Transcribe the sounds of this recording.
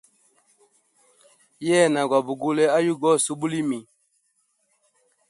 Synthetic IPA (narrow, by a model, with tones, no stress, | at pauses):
jɛ˦˨na˨ɡwa˨bu˨ɡu˦lɛ˦a˦ju˦ɡɔ˦˨su˦bu˦li˦mi˨